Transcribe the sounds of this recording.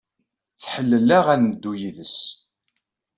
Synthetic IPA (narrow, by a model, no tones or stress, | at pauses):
θħəlːəlːæʁænəd̪ːujiðəs